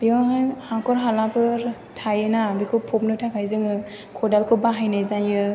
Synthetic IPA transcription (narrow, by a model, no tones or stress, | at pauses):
biaɦajhakɔɾɦalapʰɯɾ | tʰajɯnabikʰɯpʰɔp̚nɯtʰakʰajzɯŋɯ | kʰɔdalkʰɯbaɦajnajzajɯ